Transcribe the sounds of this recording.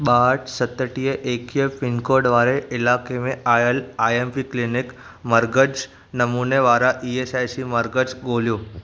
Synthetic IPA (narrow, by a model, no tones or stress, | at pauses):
ɓaɦʈsət̪əʈijeʔekiefinkoɾɖʋaɾeʔɪlakemẽajəlaempiklinik | məɾɡəd͡ʒ | nəmuneʋaɾaʔiesajsiməɾɡəd͡ʒɡoljũ